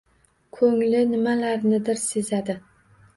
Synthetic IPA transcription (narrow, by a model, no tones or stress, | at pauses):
kʰɵŋlɪnɪmalaɾnɪd̪ɪɾse̞zad̪ɪ